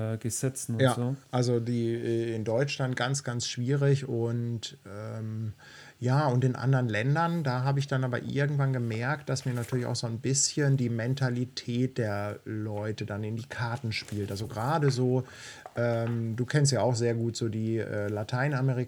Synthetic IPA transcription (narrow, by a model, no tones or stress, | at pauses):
ɡ̥əzɛt͡sn̩jaːʔalzodiːʔɛːɪndɔʏt͡ʃlant̚ɡ̥ant͡sɡ̥ansʃv̥iːʁɪçʊntʔɛːm | jaːʊntɪnʔa̰ndəʁənlɛndɐndaːɦaːbəɪçd̥anʔaːbɐ̰ʔɪ̰ɐɡŋ̩tv̥anɡəmɛɐkt̚d̥asmiːɐnatʰyːɐlɪça̰ʊxz̥oːnbɪsçəndiːmɛntʰalitʰɛːt̚d̥eːɐlɔʏtədanɪndiːkʰaɐtn̩ʃpiːltʔalzoɡʁaːdəzoː | ʔɛːmduːkʰɛnstjaːaʊxz̥eːɐɡuːtz̥oːdiːʔɛ̰ːlatʰaɪnameʁi